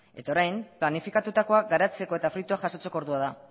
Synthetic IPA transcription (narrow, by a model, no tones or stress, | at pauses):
e̞t̪ao̞ɾajmplanifikat̪ut̪ako̞aɡaɾat͡se̞ko̞e̞t̪afɾut̪uaʝaso̞t͡se̞ko̞ɾðuaða